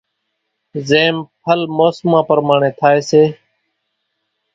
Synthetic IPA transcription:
zeːmpʰəlmoːsmãːpəɾmaːɳeːt̪ʰaːeːseː

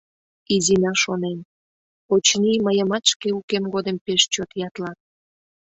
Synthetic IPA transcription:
izinɑʃonen | ot͡ɕniməjəmɑt̪ʃkeukemɣod̪əmpeʃt͡ɕot̪jɑt̪lɑt̪̚

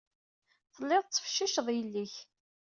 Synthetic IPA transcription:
θəlːɪðˤt͡sːə̥fʃːiʃəðˤjəlːiç

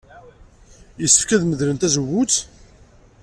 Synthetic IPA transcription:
jəsːə̥fkæðməðlənt̪æzəwːʊt͡s

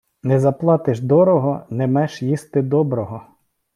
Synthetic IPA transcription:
nɛzɐplˠɑt̪ɪʒd̪ɔɾɔɦɔnɛmɛʃjist̪ɪd̪ɔbɾɔɦɔ

